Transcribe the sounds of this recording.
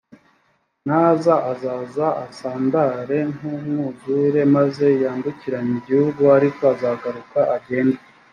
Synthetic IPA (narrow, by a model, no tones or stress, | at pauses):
naːzaʔazaːzaasaːndaɾe̞numŋuzuɾe̞maze̞jaːnduciɾaɲiɟihuɡuaɾiko̞azaːɡaɾukaʔaɟe̞ːnda